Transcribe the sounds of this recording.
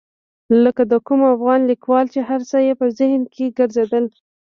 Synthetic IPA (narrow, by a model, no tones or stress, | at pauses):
ləkad̪əkumafɣɑnlikwɑlt͡ʃeɦaɾsajepəzɪhnkʰeɡəɾzed̪əl